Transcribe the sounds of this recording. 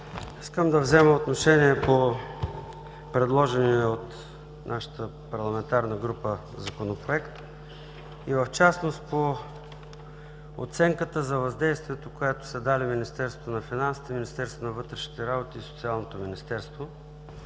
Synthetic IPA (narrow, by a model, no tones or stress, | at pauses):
iskəmd̪ɐvzɛməot̪noʃɛniɛpo | pɾɛd̪lˠɔʒɛniot̪ | nʔaʃə̥t̪əpɐɾlˠɐmɛnt̪aɾnəɡɾupə | zɐkonopɾoɛkt̪ | ivəft͡ʃasnost̪po | o̰t̪sɛŋkət̪əzɐvɐzd̪ɛjst̪viɛt̪okoɛt̪o̥sɛd̪aliminist̪ɛɾst̪vonɐfinansi̥t̪ɛminist̪ɛɾst̪onɐvɤt̪ɾɛʃni̥t̪ɛɾabot̪iisot̪sialˠnot̪ominist̪ɛɾst̪vo